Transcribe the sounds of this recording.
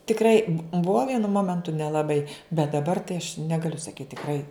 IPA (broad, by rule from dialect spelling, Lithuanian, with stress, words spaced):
tʲɪkˈrɐɪ bʊ ˈbuɔ ˈʋʲiɛnʊ ˈmoːmʲɛntʊ nʲɛlˠɐˈbɐɪ bʲɛt dɐˈbɐr tɐɪ ɐʃ ˈnʲæːɡɐlʲʊ sɐˈkʲiːt tʲɪkˈrɐɪ